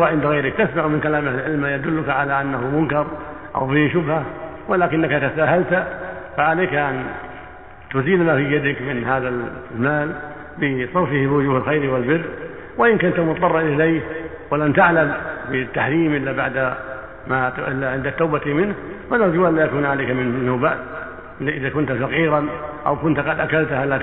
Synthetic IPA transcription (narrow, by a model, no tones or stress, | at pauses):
waʕɪnd̪aɣajɾɪk̚t̪asmaʕmɪnkalaːmɪhɪlʕɪlmajad̪ʊlːʊkaʕalaʔanːahʊmʊnkɑɾˤʔa̰wbɪhʃʊbha | walaːkɪnːakat̪asaːɦalt̪faʕaleːkaʔan | t̪ʊziːlmafiːjad̪ɪkmɪnhaːðamaːl | bɪsˤɑɾfɪhbɪwʊd͡ʒuːhɪlxajɾwɪlbɪrː | waʔɪnkʊnt̪amʊt̪t̪ˤːɑrˤːɑnʔɪlajh | walamt̪aʕlambɪt̪ːaħɾiːmʔɪlːabaʕd̪a | maʔɪlːaʕɪnd̪at̪ːawbat̪imɪnhfanɑɾˤd͡ʒuːʔalːaːjakuːnʕaleːkamɪnmɪnːʊːbaːd̪ | lːiʔɪðakʊnt̪fɑqiːɾɑnʔa̰wkʊnt̪qɑd̪ʔakalt̪halːa